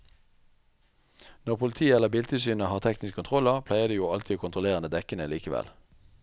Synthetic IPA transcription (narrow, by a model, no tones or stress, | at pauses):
nɔʁpʰʊlɪt̪ʰiːəɛləʁbɪlt̪ʰɪlsyːnəhɑːʁt̪ʰɛknɪskəkʰʊnt̪ʰʁɔləʁpʰlæɪəʁd̪iːjuːɑlt̪ʰɪːoːkʰʊnt̪ʰʁʊleːʁənəd̪ɛkənəliːkəʋɛ̰l